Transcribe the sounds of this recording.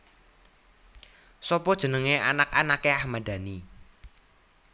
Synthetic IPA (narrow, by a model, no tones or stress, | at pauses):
sɔpɔd̥ʒ̥ə̤nəŋeanakanakeahmad̥a̤ni